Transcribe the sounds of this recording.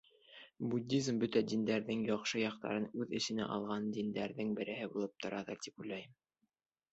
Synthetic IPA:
bud̪ʲːizmbɵt̪æd̪ind̪æɾðɘŋjɑχʃɤjɑqt̪ɑ̰ɾɤnʉðɘ̆sɘ̆næ̰ʔɑ̰lˠʁɑnd̪ind̪æɾðɘŋbɘ̆ɾɘ̆ɦɘbulˠɤp̚t̪ʰŏɾʔɑðɤɾt̪ipulːæjɘm

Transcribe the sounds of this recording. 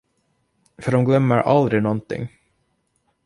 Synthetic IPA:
fœɖɔmɡlœmːəɾʔa̰ld̪ɾɪnɔnt̪ʰɪ̰ŋː

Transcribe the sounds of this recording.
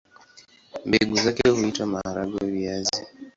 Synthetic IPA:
mbeɡuzakehuitwamaaɾaɡawɛβiazi

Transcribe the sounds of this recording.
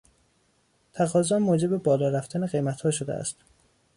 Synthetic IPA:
t̪ʰæɣɒːzɒmːoːd͡ʒe̞bebɒːlɒːɾæft̪ʰæneɣe̞jmæt̪hɒːʃod̪ḛæ̰st̪

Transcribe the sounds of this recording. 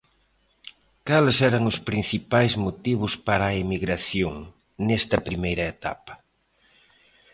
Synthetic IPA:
kalsɛɾɐŋʊspɾin̟θipajzmot̪iβ̞ʊspaɾɐaimiɣɾaθjoŋ | nɛst̪ɐpɾimejɾɐet̪a̰pɐ̥

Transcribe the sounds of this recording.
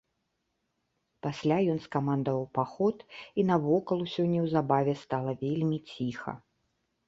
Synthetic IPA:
pasʲlʲajɔnskamand̪ɐvɐwpaxɔt̪inɐvɔkɐlˠusʲɔnʲːɐwzabavʲɛst̪alˠɐvʲelʲmʲit͡sʲixɐ̰

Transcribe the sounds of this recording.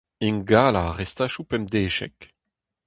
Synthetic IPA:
inɡaːlaʁɛst̪aːʃupɛmd̪eːʃɛ̰k

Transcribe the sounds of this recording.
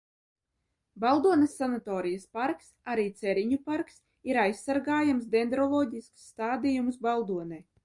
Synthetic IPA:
balˠd̪uɔnɛsːanat̪ɔːɾijaspaɾksaɾiːt̪sɛɾiɲupaɾks | iɾajsːaɾɡaːjamsd̪ʲɛnd̪ɾɔlˠɔːɟʲisksːt̪aːd̪ijumsbalˠd̪uɔnɛj

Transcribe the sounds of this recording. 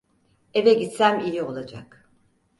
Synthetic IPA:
e̞vɛɟit̪sæmijio̞lˠad͡ʒa̰k

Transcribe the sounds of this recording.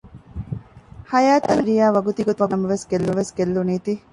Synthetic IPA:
hɐjaːt̪ɐnɾijaːʋɐɡut̪iɡot̪uʋɐmɐmɐʋeskelːuʋeskelːuniːt̪i

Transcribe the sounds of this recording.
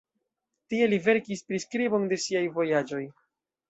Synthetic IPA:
tie̞live̞ɾkispɾiskɾibo̞nde̞siajvo̞jad͡ʒo̞j

